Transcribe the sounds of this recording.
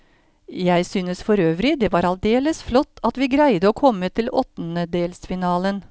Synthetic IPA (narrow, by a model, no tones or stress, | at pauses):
jæɪsyːnəsfɔɾøːʋɾɪd̪eːʋɑːɾɑld̪eːləsflɔt̪ːɑt̪ʋiːɡɾæɪd̪əoːkʰɔmːət̪ʰɪlɔt̪ːnəd̪eːlsfɪnɑːlən